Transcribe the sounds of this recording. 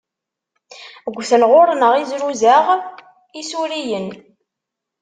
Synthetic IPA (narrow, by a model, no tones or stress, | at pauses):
ɡʷːθənʁʊɾnəʁizɾuzaʁ | isuɾijən